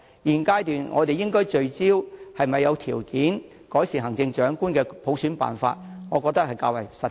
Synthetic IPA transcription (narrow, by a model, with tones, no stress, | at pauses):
jiː˨˩nkaː˥jt̪yː˨nŋʔɔ̰ː˨˧t̪e˨jɪ˥ŋkɔː˥jt͡ʃɵ˧ɥt͡siː˥whɐ˨jmɐ˨jːɐ˨˧wt̪ʰḭː˨˩wkiː˨˥n | kɔː˨˥jsiː˨˩ɦɐ˨˩ŋt͡sɪ˧ŋt͡ʃœː˨˥ŋkuː˥nkɛː˧pʰo˨˥wsyː˨˥npa̰ː˨nfa̰ː˧t̚ŋɔː˨˧kɔː˧k̚t̪ɐ˥k̚hɐ˨jkaː˧wɐ˨˩jsɐ˨